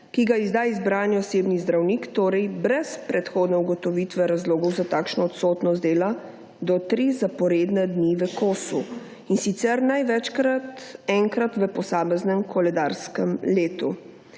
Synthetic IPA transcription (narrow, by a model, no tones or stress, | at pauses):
kiɡaizd̪aːizbɾaːniɔseːbnizd̪ɾawnikt̪oːɾɛjbɾɛspɾɛt̪xoːd̪nɛuɡɔt̪ɔʋit̪ʋɛɾazloːɡɔwzat̪aːkʃnɔɔt̪soːt̪nɔst̪d̪eːla | d̪ɔt̪ɾizapɔɾeːd̪nɛd̪niʋəkoːsu | insit̪sɛɾnajʋɛt͡ʃkɾat̪ɛŋkɾat̪ʋəpɔsaːmɛznɛmkʰɔlɛd̪aːɾskɛmleːt̪u